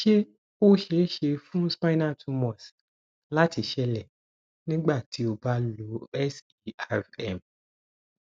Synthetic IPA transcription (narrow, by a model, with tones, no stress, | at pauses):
ʃe˦ | o˦ʃe˨˦ʃe˧fũ˦spa˦na˦˨tʰu˧mɔ˨s | la˦ti˨ʃɛ˧lɛ˨ | nĩ˦ɡ͡ba˦˨tʰi˨˦o˧˨ba˨˦lo˨˦ɛ˦si˦a˦fɛ̰˨m